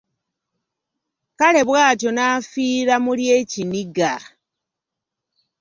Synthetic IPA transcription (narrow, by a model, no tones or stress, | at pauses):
kale̞βwaːto̞naːfiːɾamuljeciniɡa